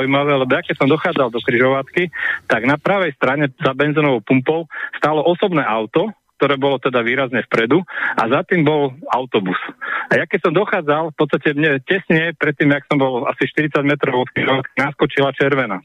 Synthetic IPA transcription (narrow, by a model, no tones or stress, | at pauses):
ujmaʋɛːlɛbɔjakɛcsɔmd̪ɔxaːd͡zald̪ɔkɾiʒɔʋat̪kit̪aɡnapɾaːʋɛjst̪ɾaɲɛzabɛnzinɔʋɔʊpumpɔʊst̪aːlɔʔɔsɔbnɛːʔaʊt̪ɔk̚t̪ɔɾɛːbɔlɔt̪ɛd̪aʋiːɾazɲɛfpɾɛd̪ua̰zat̪iːmbɔlaʊt̪ɔbusajakɛcsɔmd̪ɔxaːd͡zalfpɔt̪st̪acɛmɲɛcɛsɲɛpɾɛt̪ːiːmaksɔmbɔla̰siʃt̪iɾit̪t͡saɟmɛt̪ɾɔʊɔt̪̚kɾiʒɔʋat̪̚kinaskɔt͡ʃilat͡ʃɛɾʋɛna